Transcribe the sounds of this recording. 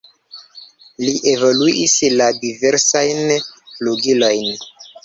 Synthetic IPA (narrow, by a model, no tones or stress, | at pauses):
liʔe̞voluisladiveɾsajnluɡilo̞jn